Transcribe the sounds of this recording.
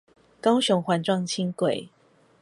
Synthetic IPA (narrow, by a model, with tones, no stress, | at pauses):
kɑ˦ʊɕjo˨˧˥ŋxwa˨˥nʈ͡ʂwɑ˥˨ŋt͡ɕʰi˦ŋkwe˨˩ɪ